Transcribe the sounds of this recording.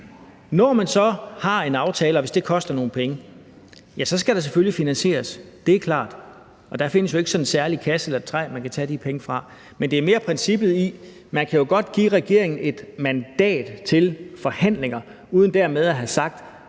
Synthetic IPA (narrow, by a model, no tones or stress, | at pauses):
nɒmænsɒ̽hɑ̈e̝nɑ̈ʊt͡sʰɛːləɒʋe̝sd̥e̝kʰɒ̽sd̥ɐno̝ːn̩pʰeŋə | jæsɒ̽sɡ̥æɾ̥ɑ̈s̬eføljifinænɕe̝̰ːɐsd̥e̝æɐkʰlɑ̰̈ːd̥ | ɒ̽d̥æ̈fe̝nəsjo̝e̝ɡ̥sɒ̽nnsæɐlikʰæselɐt͡sʰʁɛ̰ːmænkʰæt͡sʰɛd̥ipʰeŋəfʁɑ̈ | mend̥e̝æɐme̝ːɐpʰʁɛnsib̥ð̩ˠi | mænkʰæjo̝ɡ̥ɒ̽d̥ɡ̥ḭːʁɛɡ̥e̝ɐe̝ŋn̩e̝d̥mænd̥ɛ̰ːd̥t͡sʰe̝lfɒ̽hæn̰le̝ŋɐ | uːð̞ˠn̩d̥æɐ̰með̞ˠæɦæsɑ̈ɡ̥̚d̥